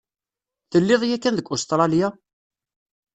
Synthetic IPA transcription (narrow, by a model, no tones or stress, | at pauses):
θəlːɪðˤjækːænðəɡʷːʊst̪ɾˤɑlja